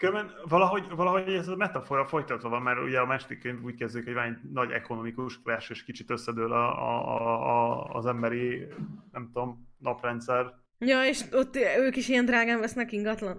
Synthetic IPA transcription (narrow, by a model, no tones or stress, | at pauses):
køɾbɛnvɒlɒɦo̞ɟvɒlɒɦo̞ɛzɒmɛt̪ɒfoːɾɒfo̞jt̪ɒt̪ʋɒvɒmːɛɾṵɟɛɒmaːrʃod̪ikːøɲbuːc̚kɛzd̪eikhoɟvɒnɛɟnɒɟɛ̰konomikuʃlɛːʃøːʃkit͡ʃit̪øsːɛd̪øːlɒ̰ | zɛmbɛɾinɛmt̪o̞mnɒprɛnt̪sɛr | jɒeʃot̪ːøːkiʃijɛnd̪raːɡaːɱvɛsnɛkiŋɡɒt̪lɒn